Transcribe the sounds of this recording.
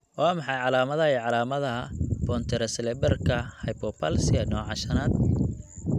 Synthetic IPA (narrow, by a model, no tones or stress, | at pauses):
waːmɑħɑjʕɑlaːmɐðɐɛʕɑlaːmɐðɐɦɐb̥ɔnt̪ʰɛɾɐsɛlɛbɛrkʰɐhɐjpʰɔpʰɐlsɪɐnɔːʕɑʃɐnaːd̪̚